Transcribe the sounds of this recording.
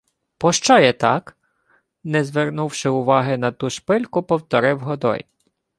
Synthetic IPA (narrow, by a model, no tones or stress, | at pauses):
pɔʃt͡ʃɔjɛt̪ɑk | nɛzʋernuwʃɪʊʋɑɦɪnɐt̪uʃpɪlʲkʊpɔwt̪ɔɾɪwɦɔd̪ɔ̰j